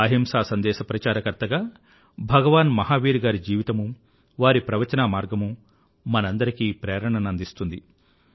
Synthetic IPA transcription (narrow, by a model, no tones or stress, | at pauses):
ɐɦimsaːsɐnd̪ɛːʃɐpɾɐt͡ʃaːɾɐkɐɾt̪ɐɡaː | bʱɐɡɐʋaːnmɐɦaːʋiːɾɡaːɾid͡ʒiːʋit̪ɐmu | ʋaːɾipɾɐʋɐt͡ʃɐnaːmaːɾɡɐmu | mɐnɐnd̪ɐɾikiːpɾɛːɾɐɳɐnɐnd̪ist̪und̪i